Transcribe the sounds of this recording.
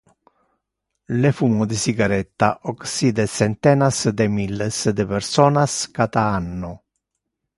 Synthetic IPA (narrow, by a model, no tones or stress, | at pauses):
lefuːmod̪ɪsiɡaɾɛt̪ːa̰ʔoksiːd̪ɛsɛnt̪ɛːnasd̪emilːesd̪epɛɾsɔːnaskat̪aanːʊ